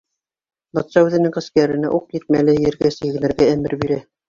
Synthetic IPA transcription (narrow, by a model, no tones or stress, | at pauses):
bɑt̪sɑʉðɘ̆nɘŋqɘ̆skæɾɘ̆næ̰ʔuq̚jɘ̆t̪̚mælɘjɘ̆ɾɡæsɘ̆jɡɘ̆nɘ̆ɾɡææmɘ̰ɾbiɾæ